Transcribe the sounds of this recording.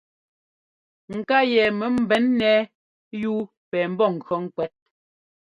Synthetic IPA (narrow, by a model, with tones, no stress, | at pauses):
ŋ̩˨ka˦jɛ˨mɛ˨m̩˨bɛ˨˦nːɛ˦ | juː˦ | pɛː˨m̩˦bɔ˦˨ŋ̩˨kɔ˨˦ŋ̩˨kwɛ˨˦t̚